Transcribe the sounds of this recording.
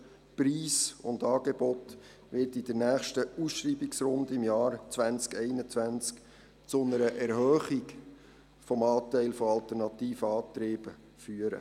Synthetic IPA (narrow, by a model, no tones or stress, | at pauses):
priːsʊ̰ndɑːɡ̥ebɔt̪ | ʋɪɾtɪd̥əɾnæːχʃtəusʃɾiːbiksɾʊndəɪmjɑːɾt͡sʋænt͡skɛɪnət͡sʋænt͡sk | t͡sʊnəɾəʔɛɾhœːχik | fɔmɑːt̪ɛɪlfoɑlt̪ɛɾnɑtiːfəɑːt̪ɾeːb̥ə | fyəɾə̰